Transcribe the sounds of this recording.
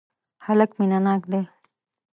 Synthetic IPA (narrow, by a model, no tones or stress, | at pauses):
halakminanaːk̚d̪e